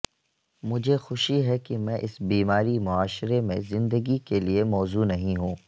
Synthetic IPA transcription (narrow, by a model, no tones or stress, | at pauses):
mʊd͡ʒʱexʊʃiɦɛkimɛ̃ʔɪsbiːmaːɾimʊaːʃɾemẽzɪ̃nd̪əɡikeliemɔːzunɐɦĩɦũː